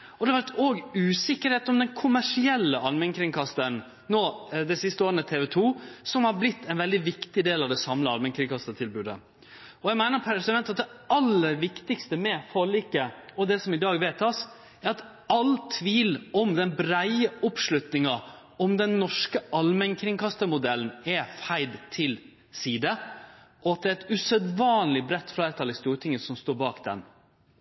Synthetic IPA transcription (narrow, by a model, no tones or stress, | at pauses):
ɔd̪ɛʋæɾt̪oːɡʉːsɪkːəɾheːt̪ɔmd̪ɛnkʰʊmæʂɪɛlːəʔɑlmɛŋkʰɾɪŋkʰɑst̪ən | noːd̪ɛsɪst̪əoːɾənət̪ʰeːʋɛt̪ʰuːsɔmhɑɾblɪt̪ʰːɛɪnʋɛld̪ɪʋɪkt̪ɪd̪eːlɑʋd̪ɛsɑmləɑ̰lmɛŋkʰɾɪŋkʰɑst̪ət̪ʰɪlbʉːd̪ə̰ | ɔjæmæɪnəɾpʰæɾsəmɛnt̪ɑt̪̚d̪ɛɑlːəɾʋɪkt̪ɪkst̪əmɛfɔɭiːkəɔd̪ɛsɔmɪd̪ɑːɡʋɛt̪ʰːɑs | æɾɑt̪ | ɑlt̪ʰʋiːlɔmd̪ɛnbɾæɪəɔpʂlʉt̪nɪŋɑ | ɔmd̪ɛnːɔʂkəʔɑlmɛŋkʰɾɪŋkʰɑst̪əmʊd̪ɛln̩ɛfæɪd̪t̪ʰɪl | siːd̪əʔɔɑt̪̚d̪ɛːɾɛt̪ʉsœd̪ʋɑːnlɪbɾɛt̪ːflæɪːɾt̪ʰɑlɪst̪uːɾʈ̪ʰɪŋːəsɔmst̪oːɾbɑːkd̪ɛ̰n